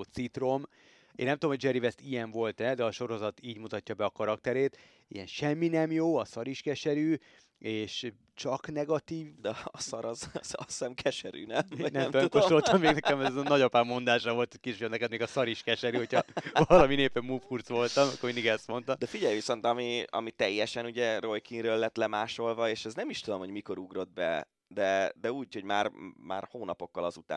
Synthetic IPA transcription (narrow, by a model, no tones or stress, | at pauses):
t̪sit̪ro̞m | ḛːnːɛmt̪uomhoɟd͡ʒɛɾivɛst̪ijɛɱvo̞lt̪ɛd̪ɛɒʃo̞ɾo̞zɒt̪iːɟmut̪ɒcːɒbɛɒkɒɾɒk̚t̪ɛɾeːt̪ | ḭjɛnʃɛmːinɛmjoːɒsɒɾiʃkɛʃɛɾyː | eːʃ | t͡ʃɒknɛɡɒt̪iːvd̪ɛɒsɒɾɒzɒɛmkʰɛʃɛɾy̰ːnɛmnɛmomkoʃt̪olt̪ɒmːeːɡnɛkɛmɛzɛnɒɟopaːmmo̞nd̪aːʃɒʋo̞lt̪ʰoc̚keʃjonɛkɛd̪meːɡɒsɒɾiʃkɛʃɛɾyːho̞cʰɒvɒlɒmineːpɛmːufurt̪sʋo̞lt̪ɒmkːoːɾmind̪iɡɛst̪mo̞nt̪ɒd̪ɛfiɟɛjviso̞nt̪ɒmiɒ̰mit̪ɛjːɛʃɛnuɟɛro̞jkiŋrøːlːɛt̪lɛmaːʃo̞lvɒeːʃɛznɛmiʃt̪ud̪o̞mho̞ɟmiko̞ɾuɡro̞d̪̚bɛ̰ | d̪ɛd̪ɛuːcho̞ɟmaːrma̰ːrhoːnɒpo̞kːɒlɒzut̪a̰ː